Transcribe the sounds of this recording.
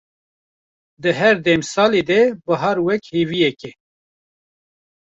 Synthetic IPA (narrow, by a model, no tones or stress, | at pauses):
d̪ɨɦɛɾd̪ɛmsɑːled̪ɛbɨɦɑɾwɛkheːvijɛkɛ